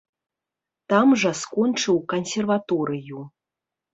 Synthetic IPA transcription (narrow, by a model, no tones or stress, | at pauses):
t̪amʐɐskɔnt͡ʂɨwkɐnsʲɛrvat̪ɔɾɨju